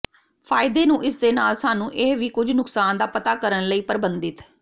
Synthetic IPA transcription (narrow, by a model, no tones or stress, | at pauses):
pʰaːɪd̪eːnũːʔɪsd̪eːnaːlsaːnũːʔɪɦʋiːkʊd͡ʒʱnʊksaːnd̪aːpət̪aːkəɾənləiːpəɾbənd̪ɪt̪